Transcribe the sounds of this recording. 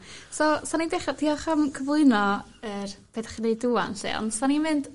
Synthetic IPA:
sɔsanideχadʰiɔχamkʰəvlˠʊɨnɔərb̥edaχinejdua̰nɬɛ̰ɔ̰nd̥sanimɪnd

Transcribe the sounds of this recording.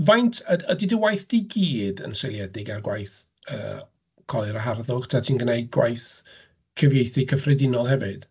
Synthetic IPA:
vajntʰəədidəwajθd̥iɡiːdə̰nsejlˠjɛdɪɡarɡwajθ | ə̰ː | kʰɔlˠɪɾəɦarðʊɡ̥tʰatʰiːnɡənejɡwa̰jθ | kʰəvjejθikʰəfrɛdɪnɔlˠɦɛvɨd̥

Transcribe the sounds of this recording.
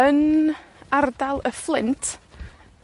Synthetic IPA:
ən | ardalˠəflˠɪntʰ

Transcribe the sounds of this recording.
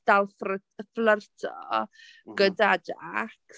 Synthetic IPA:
d̥alˠfrə | əflərtʰɔ̰ | ɡ̥ədad͡ʒa̰k

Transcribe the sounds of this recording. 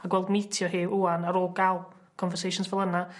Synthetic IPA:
aɡwɛlˠdmitʰjɔɦiːuːanaɾoːɡalˠ | kʰɔnvɛrsejʃʊnsvɛlˠəna

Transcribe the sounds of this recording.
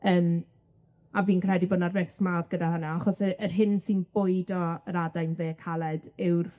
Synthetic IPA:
əːm | aviːnkr̥ɛdibənadvɪsmabɡ̥ədaɦənaaχɔsəʔərɦɪnsinb̥ʊɨdɔɾadajnveːkʰalˠɛd̥ɪwr

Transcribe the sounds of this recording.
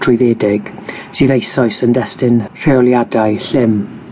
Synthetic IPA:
tʰrʊjðeːdɪɡ̥siːðejsɔɨsəndɛstɪnr̥eɔlˠjadaɨɬɪm

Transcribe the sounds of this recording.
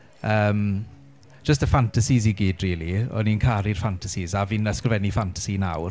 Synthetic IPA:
əːm̥ | d͡ʒ̥əstəfantʰasiziɡiːdriːlˠiɔ̰ninkʰaɾirfantʰasizaviːnəskrəvɛnifantʰḁsina̰wr

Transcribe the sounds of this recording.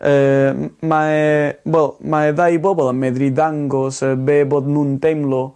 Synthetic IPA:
əmawɛlˠmaɛðajbɔbɔlˠəmɛðɾiðaŋɡɔsəbeːboːdnuntejmlˠɔ

